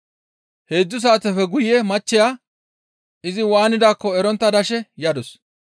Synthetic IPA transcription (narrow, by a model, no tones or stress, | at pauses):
he̞ːd͡zːʊs̬aːt̪ɛfɛɡʊjːɛmɐt͡ʃːɪjaː | ʔɪzɪwaːnɪd̪aːkːɔɛɾɔnt̪ːɐd̪ɐʃɛjɐd̪ɔs